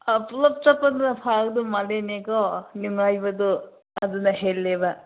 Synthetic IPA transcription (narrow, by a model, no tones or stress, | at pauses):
ɐpulɐp̚t͡ʃɐpːɐd̪unɐpʰaɡd̪umɐlenekonimajbɐd̪u | ɐd̪unɐɦelːeba